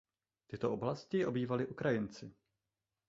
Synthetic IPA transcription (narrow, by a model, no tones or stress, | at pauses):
t̪ɪt̪o̞ʔoblascɪʔo̞biːvalɪʔukɾajɪnt͡sɪ